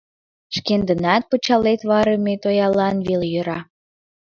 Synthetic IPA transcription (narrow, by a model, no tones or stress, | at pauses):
ʃkend̪ənɑt̪̚pət͡ɕɑlet̪βɑɾəmet̪ojɑlɑnβiljøɾɑ